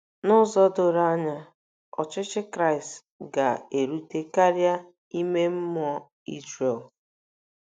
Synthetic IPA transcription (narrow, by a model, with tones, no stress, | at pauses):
nʊ˦zɔ˦dʊ˨ɾa˦ɲa˦ | ɔ̰˨t͡ʃɪ˦t͡ʃɪ˦kɾa˦ɪ˨st | ɡa˨e˨ɾu˦te˦ka˦ɾja˦ | i˦me˦m̩˦m˦ɔ˦ | i˦zɾe˨l